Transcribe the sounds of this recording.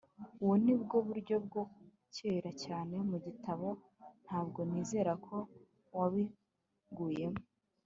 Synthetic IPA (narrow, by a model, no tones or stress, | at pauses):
uwunibɡo̞βuɾɟo̞b̚ɡo̞ku̥ | ceːɾacaːne̞muɟitʰaβo̞ | n̥haːbɡo̞niːze̞ːɾakʰo̞ | waβi | ɡuːje̞mo